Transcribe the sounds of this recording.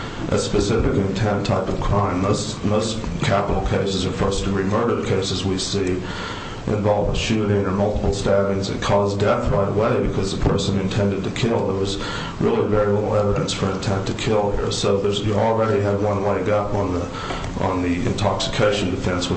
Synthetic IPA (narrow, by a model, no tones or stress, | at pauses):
ʔɨ̰spɨsɪfɨkɨ̃ntʰɛ̃ntʰaɪpʌv̥kʰɹ̥ãɪ̃mðoʊz | ðoʊz̥kʰæpəɾl̩ˠkʰeɪsɨzə˞foʊstɨɹimɜ˞ɾə˞kʰeɪsɨzwisi | ʔɨ̰̃ɱvɑlˠv̥ʃʉɾɪ̃ŋə˞mʌlˠtə̥pl̩ˠstævɪ̃ŋzɨ̰t̚kʰɔzdɛθɹaɪɾə̰weɪbɨkʰʌzðəpʰɜ˞sɨ̃nɨ̃ntʰɛ̃ndɨd̚tʰɨkʰɪlˠðə˞wʌz | ɹɪlˠivɛɹilɪɾl̩ˠɛvəɾɨ̃nsfə˞ɨ̃ntʰɛ̃ntʰɨkʰɪlˠhḭɹsoʊðə˞zjɨl̩ˠɹɛɾiɨd̚wʌ̃nweɪɡʌpn̩ðə | ʔn̩ðiɨ̰̃ntʰɑksɨ̥kʰeɪʃn̩dɨfɛ̃nswə